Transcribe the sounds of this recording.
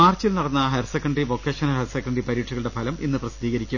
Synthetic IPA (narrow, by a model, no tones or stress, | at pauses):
aːrt͡ɕːilnɐɽɐnːɐɦersekːɐɳɖriʋo̞kːeːʂɐnɐɦersekːɐɳɖripɐɾiːʈʂʰiɣɐɭɨɽepʰɐlɐminːɨprɐsid̪iːɣɐɾikʲːu